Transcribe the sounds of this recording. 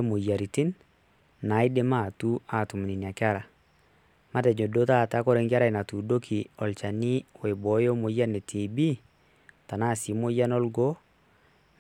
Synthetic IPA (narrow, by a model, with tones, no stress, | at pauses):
mo˨ja˨ɾi˨ti˦n | na˨˦i˦de˦ma˦˨tu˦a˨tu˨m˨ni˨ni˨a˨kɪ˦a˦ɾa˨ | ma˦tɛ˨ɲo˨do˦ta˦˨ta˦kɔ˦ɾɛ˨˦ŋɡɪ˦a˦ɾa˨i˨na˨tu˨do˦kʰi˨ɔ˨lt͡ʃa˨ni˦wɛ˨bɔ˨˦jo˦mo˨ja˦nɛ˨tʰe˨bi˦ | ta˨na˦˨si˨˦mo˦ja˦nɔ˦lɡo˦